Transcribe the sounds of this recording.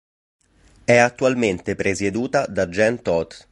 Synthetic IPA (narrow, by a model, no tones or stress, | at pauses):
ɛat̪ːualment̪epɾesed̪uːt̪ad̪ad͡ʒɛnt̪ɔt̪